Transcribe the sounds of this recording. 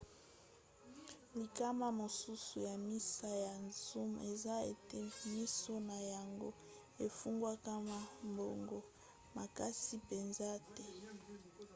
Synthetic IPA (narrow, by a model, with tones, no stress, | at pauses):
li˨ka˦ma˦mo˨su˦su˨ja˨mi˦sa˦ja˨nzu˦me˨za˦e˨te˦˨mi˦so˦na˨ja˨ŋɡo̰˦ | e˨fu˦ŋɡwa˦ka˦ma˦mbo˨ŋɡo˦ | ma˨ka˦si˦pe˨nza˦tɛ˦